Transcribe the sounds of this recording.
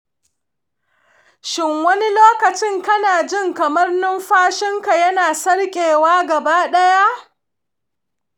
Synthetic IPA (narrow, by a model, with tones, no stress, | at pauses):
ʃɪ˦ŋwɐ˦ni˦loː˦kɐ˨t͡ʃɪ˦ŋkɐ˦naː˨d͡ʒɪ˦˨ŋkɐ˨mɐ˦rnʊ˦mɸaː˦ʃɪ˦ŋka˨jɐ˦naː˨sɐ˦ɽkʲʼeː˨waː˦ɡɐ˨baː˦ɗɐ˦ja˦ʔ